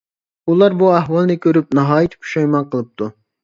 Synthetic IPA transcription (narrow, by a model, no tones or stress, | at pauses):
ulˠɑɾbuæɦwɑlˠnɨkʲʰøɾyp̚nɑɦɑːjit̪ʰɪ̥pʰu̥ʃɑjmɑnqʰəlˠɨp̚t̪ʰu